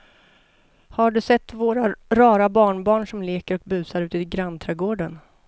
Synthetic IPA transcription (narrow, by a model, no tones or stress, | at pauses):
haɖɵsɛt̪ːvoːɾaɾɑːɾabɑːɳbɑːɳʂɔmleːkəɾɔk̚bʉ̟ːsaɾʉ̟ːt̪əɡɾant̪ʰɾɛɡoːɖən